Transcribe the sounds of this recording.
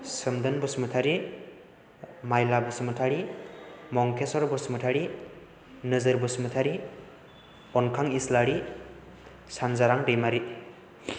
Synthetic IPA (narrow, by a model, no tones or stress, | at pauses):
sɯmdɯnbɯsmɯtʰaɾi | majlabɯsɯmutʰaɾi | mɔŋkʰesɔɾbusmutʰaɾi | nɯzɯɾbɯsɯmutʰaɾi | pɔnkʰaŋislaɾi | sanzaɾaŋdimaɾi